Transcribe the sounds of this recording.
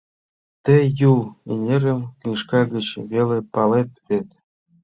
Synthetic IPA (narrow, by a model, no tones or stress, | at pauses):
t̪ĕjulenʲeɾə̆mkynʃkɑɡə̆t͡ɕβelepɑlet̪̚βet̪